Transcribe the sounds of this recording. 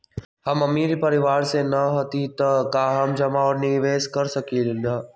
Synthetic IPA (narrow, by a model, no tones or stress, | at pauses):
hɐmɐmiːɾipɐɾɪʋaːɾsẽnɐɦɐt̪it̪ɐkaːɦəmd͡ʒɐmaːəɾnɪʋeːskɐɾsɐkʰid̪ẽːnd̪aː